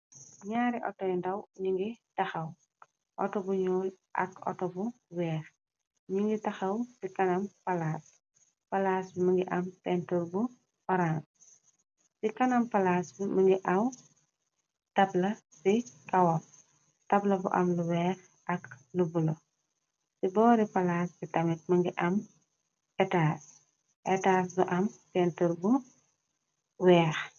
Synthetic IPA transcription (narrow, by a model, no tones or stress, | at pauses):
ɲaːɾiʔɔtɔjndɐwɲiŋɡitɐxɐw | ʔɔtɔbuɲɔːl | ʔɐ̰kɔ̰tɔbu | wɛːx | ɲiŋɡitɐxɐwsikɐnɐmpɐlaːs | pɐlaːsbimɐŋɡiʔɐmpɛntulbu | fɔɾan | sikɐnɐmpɐlaːsbimɐŋɡiʔɐw | tɐblɐ | sikɐwɐl | tɐblɐbṵʔɐ̰mluwɛːx | ɐklubulo | sibɔːɾipɐlaːsbitɐmit̚mɐŋɡiʔɐm | ʔɛtaːs | ʔɛtaːs̬buʔɐmpɛntəɾbu | wɛːx